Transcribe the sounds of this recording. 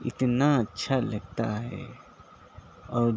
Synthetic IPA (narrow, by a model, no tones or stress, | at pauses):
ɪ̰t̪naɐtːʃʰalɐɡ̚t̪a̰ɦɛ̰ | ɔːɾ